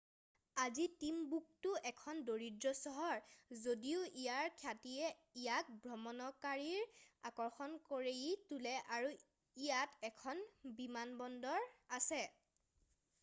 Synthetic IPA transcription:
azitimbuk̚tʊʔɛkʰɔndoɹidɹɔsɔɦɔɹzodiʊʔijaɹkʰatiɛ | ijak̚bɹɔmɔnɔkaɹiɹakɔɹxɔnkoɹejitulɛʔaɹu | ijatɛkʰɔnbimanbɔndɔɹasɛ

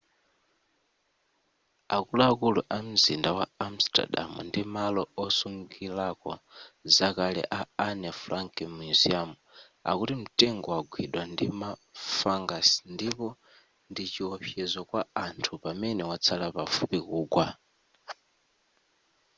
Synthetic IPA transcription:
akuluakuluʔam̩zindawaam̩sta̰ɗa̰mṵndimalɔɔsuŋɡilakɔ̰zakalɛ̰ʔaanɛfuɾaŋkɛmuuziamu | a̰kutim̩tɛŋɡɔwaɡʱwiɗwandimafaŋɡasndipɔ | ndit͡ʃiɔpʰjɛzɔkwaantʰupamɛnɛwat͡sʰalapafupikuːɡwa

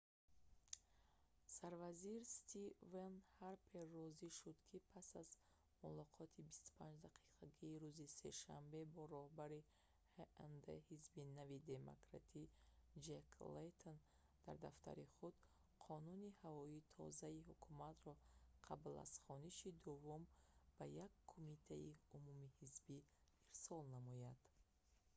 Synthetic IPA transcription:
saɾvaziɾst̪ʰivenhaɾpʰerɔziʃud̪kʰipʰasaz | mulɔqʰɔt̪ʰibist̪u̥pʰand͡ʒd̪aqʰi̥qʰaɡiːɾuzise̞̰ʃambe̞bɔɾɔhbaɾi | hand̪ḛhizbinavid̪e̞mo̰kɾa̰t̪ʰid͡ʒekʰlet̪ʰon | d̪̥aɾd̪aft̪ʰa̰ɾiχud̪̥ | qʰɔnunihavɔit̪ʰɔ̰zaihukʰumat̪ɾɔqʰabla̰z̥χɔniʃid̪uvumb̥ajakʰːumit̪ʰaiumumihizbi | iɾsɔlnamɔjad̪̥

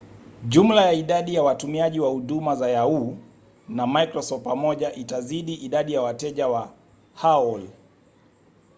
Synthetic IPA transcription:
ʄum̩lajaiɗaɗijawatumiaʄiwahuɗumazajau | namajkɾɔsɔftpamɔʄaʔitaziɗiʔiɗaɗijawatɛʄawa | haɔl

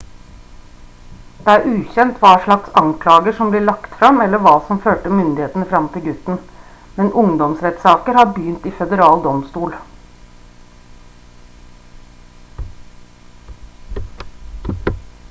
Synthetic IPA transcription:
d̪̥ɛæɾʉːçɛnt̪ʰʋɑːʂɭɑksɑŋkʰlɑːɡəʂɔmbliːɭɑkt̪fɾɑmɛlːəʋɑːsɔmføːʈəmʏnd̪ɪheːt̪ənəfɾɑmt̪ʰɪlɡʉt̪n̩ | mɛnʔʊŋd̪ɔmsɾɛt̪sɑːkəɾhɑɾbjyːnt̪ɪfɛd̪əɾɑːld̪ɔmst̪uːl

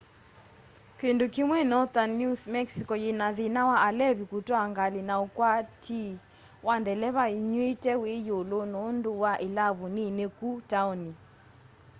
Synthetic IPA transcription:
kendokimwɛnɔtanːusmɛksikɔjenaðinawaalɛβikutwaŋɡalinaokwatʰi | wandɛlɛβaiɲwetɛwejolonondowaʔelaβuninekutauni

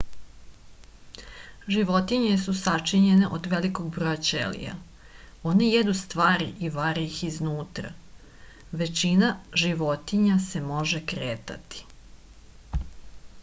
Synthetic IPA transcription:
ʒiʋo̞t̪iɲesusat͡ʂiɲene̞ʔod̪ʋelikoɡ̚bɾojat͡ʃḛlḭja̰ | o̞nejed̪ust̪ʋaːɾiʔiʋaɾiixiznuːt̪ɾa̰ | ʋe̞t͡ʃinaʒiʋo̞t̪iɲase̞mo̞ʒekɾeːt̪a̰t̪i̥

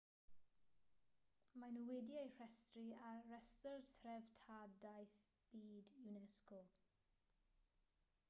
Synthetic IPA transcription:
manuwɛdiejr̥ɛstriarɛstərθʰrɛvtʰadajθ | b̥iːdjunɛskɔ

